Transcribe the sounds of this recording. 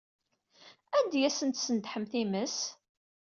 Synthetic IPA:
ænd̪jæsənt̪sənt̪ħəmθiməs

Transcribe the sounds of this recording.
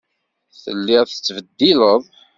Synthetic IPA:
θə̰lːiʁθə̥t͡sːvəd̪ːiləðˤ

